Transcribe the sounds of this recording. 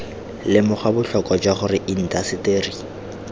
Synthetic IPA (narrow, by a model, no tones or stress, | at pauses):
lɪmʊχabʊɬɔkʼɔd͡ʒwaχʊrɪʔin̩tʼasɪteːri